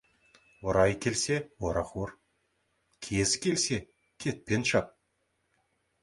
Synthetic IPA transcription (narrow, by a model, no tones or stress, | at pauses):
woɾɑjkʲʰe̞lse̞woɾɑχuɾ | kʲʰezkʲʰe̞lse̞ | kʲʰe̞t̪̚pe̞nʃɑp̚